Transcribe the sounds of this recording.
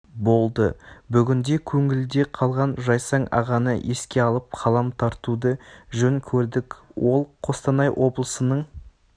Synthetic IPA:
bo̞lˠd̪əbʏɡʲɪnd̪e̞kʲʰɵŋɪld̪e̞qʰɑlˠʁɑnʒɑjsɑɴɑ̰ʁɑnəʔe̞skʲe̞ɑlˠəp̚qʰɑlˠɑmt̪ʰɑɾt̪ud̪əʒɵŋkʲʰɵɾd̪ɪkʲwo̞lˠqʰo̞st̪ɑnɑjwʔo̞blˠəsənəɴ

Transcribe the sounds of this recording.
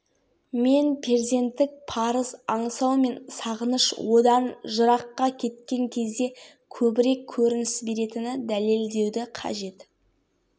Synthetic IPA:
me̞npʰeɾzʲe̞nt̪ːɪk̚pʰɑɾəzɑɴsɑwme̞nsɑʁənəʃwo̞d̪ɑnʒəɾɑqːɑkʲʰe̞t̪̚kʲe̞ŋkʲʰe̞zd̪e̞ | kʲʰɵbɪɾe̞kʲʰːɵɾɪnɪsbe̞ɾe̞t̪ɪnɪd̪æle̞ld̪e̞wd̪ɪqʰɑ̰ʒe̞t̪

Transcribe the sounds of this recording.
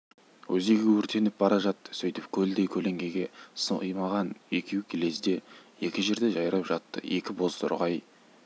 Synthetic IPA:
wʔɵzeɡʲewɵɾt̪ʰe̞nɪp̚bɑɾɑʒɑt̪ːə̥sɵjt̪ɪp̚kʲʰɵld̪ejkʲʰɵle̞ŋɡʲe̞ɡʲe̞səə̰jmɑʁɑne̞kʲʰewkʲʰele̞zd̪e̞je̞kʲɪʒe̞ɾd̪e̞ʒɑjɾɑpʒɑt̪ːə̰je̞kʲɪbo̞zt̪ʊ̰ɾʁɑj

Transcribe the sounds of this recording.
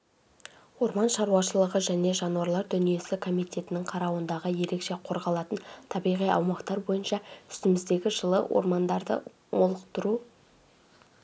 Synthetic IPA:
wo̞ɾmɑnʃɑɾuwɑʃəlˠəʁəʒæne̞ʒɑnuɑɾlˠɑɾd̪ʏnije̞sɪkʰo̞mijt̪ʲe̞t̪ɪnɪŋqʰɑɾɑwənd̪ɑʁəje̞ɾe̞kʃe̞qʰo̞ɾʁɑlˠɑt̪ənt̪ʰɑbijʁijɑ̰wmɑqt̪ɑɾbo̞jənʃɑʏ̥st̪ɪmɪzd̪e̞ɡʲɪʒəlˠə̰wʔo̞̰ɾmɑnd̪ɑɾd̪ə̰ | mo̞lˠəqt̪əɾu

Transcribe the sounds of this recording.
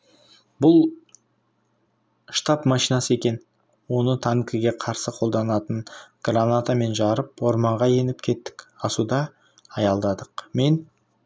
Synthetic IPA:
bʊlˠ | ʃt̪ɑpmɑʃijnɑsəe̞kʲe̞n | wo̞nət̪ʰaŋkʲiɡʲe̞qʰɑɾsəqʰo̞lˠd̪ɑnɑt̪ənɡ̥ranat̪ame̞nʒɑɾəpwo̞ɾmɑɴʁɑje̞nɪp̚kʲʰe̞t̪ːɪ̥kʲɑsud̪ɑː | jɑlˠd̪ɑd̪əqme̞n

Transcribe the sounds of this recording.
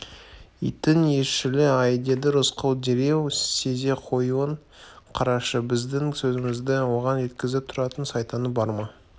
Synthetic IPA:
ḭjt̪ɪne̞ʃɪlɪɑjd̪e̞d̪ɪɾʊsqəwd̪e̞ɾe̞wse̞ze̞qʰo̞juəɴ | qʰɑɾɑʃəbɪzd̪ɪŋsɵzɪmɪzd̪ɪwo̞ʁɑnʒe̞t̪kʲɪzɪp̚t̪ʰʊɾɑt̪ənsɑjt̪ɑnəbɑɾmɑ

